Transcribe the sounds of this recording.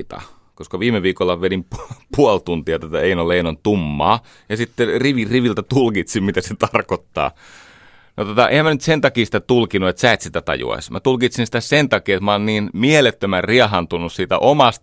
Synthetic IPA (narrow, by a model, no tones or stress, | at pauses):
t̪ɑ̰ | koskɑʋiːmeʋiːkolːɑʋenimppuolt̪unt̪iɑt̪ot̪ɑeinoleinont̪umːɑ̰ː | jɑsit̪ːeriʋiriʋilt̪æt̪ulkit̪simmit̪æset̪ɑrkot̪ːɑ̰ː | not̪ot̪ɑʔḛhæmænyt̪sent̪ɑkiːsi̥t̪æt̪ulkinuet̪sæˑet̪sit̪æt̪ɑ̰jṵɑ̰smʔæt̪ulkit̪sinsi̥t̪æsent̪ɑkiːet̪mɑɑˑenniːnmielet̪ːømærriɑɦɑnt̪unːussiːt̪æ̰ʔomɑst̪